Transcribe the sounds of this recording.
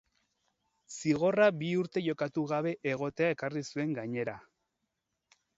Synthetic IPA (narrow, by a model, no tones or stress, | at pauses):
siɣ̞o̞rabiuɾt̪e̞ʝo̞kat̪uɣaβ̞e̞ʔeɣ̞o̞t̪eae̞karisue̞ŋɡaɲe̞ɾa